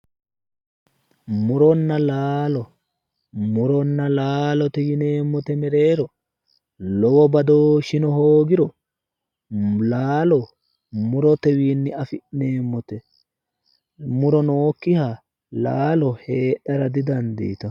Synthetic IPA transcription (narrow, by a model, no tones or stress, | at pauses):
mʊɾɔnːɐlaːlɔ | mʊɾɔnːɐlaːlɔt̪ɛjɪne̞ːmːɔt̪ɛmɛɾe̞ːɾɔ | lɔwɔbɐd̪oːʃɪnɔɦoːɡɪɾɔ | laːlɔ | mʊɾɔt̪ɛwiːnːɪɐfɪʔne̞ːmːɔt̪ɛ | mʊɾɔnoːkːɪha | laːlɔhe̞ːɗɐɾɐd̪ɪd̪ɐnd̪ḭːt̪ɐ